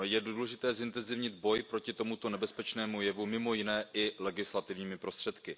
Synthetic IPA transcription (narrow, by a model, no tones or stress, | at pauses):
jɛdulɛʒɪt̪ɛːzɪnt̪ɛnzɪvɲɪd̪bo̞jpɾo̞cɪt̪o̞mut̪o̞nɛbɛspɛt͡ʃnɛːmujɛvumɪmo̞jɪnɛːʔɪlɛɡɪslat̪ɪvɲiːmɪpɾo̞st̪r̥ɛt̪kɪ